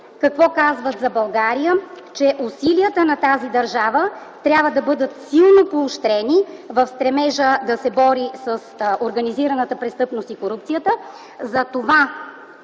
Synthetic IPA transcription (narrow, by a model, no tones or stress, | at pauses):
kɐkvɔkazvət̪zɐbɐlˠɡaɾijə | t͡ʃɛʔʊsiliət̪ənɐt̪azid̪ɐɾʒavə | t̪ɾʲjabvəd̪ɐbɤd̪ət̪silˠnopoːʃt̪ɾɛnivɐfst̪ɾɛmɛʒəd̪ɐsɛbɔɾisəsoɾɡɐniziɾɐnət̪əpɾɛst̪ɤpnost̪ikoɾupt̪sijət̪ə | zɐt̪ova